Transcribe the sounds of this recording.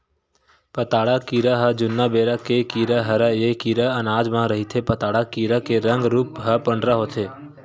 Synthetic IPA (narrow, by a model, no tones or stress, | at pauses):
pət̪aːɽakiːɾaɦəd͡ʒʊnːabeːɾəkekiːɾaɦɐɾəjekiːɾaənaːd͡ʒmãɾəɦit̪ʰepət̪aːɽakiːɾakeɾə̃ŋɡɾuːpɦəpə̃ɳɖɾaɦoːt̪ʰeː